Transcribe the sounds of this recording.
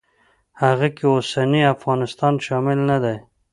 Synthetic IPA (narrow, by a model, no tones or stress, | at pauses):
haɣakeosaniafɣɑnɪst̪ɑnʃɑmɪlnad̪aj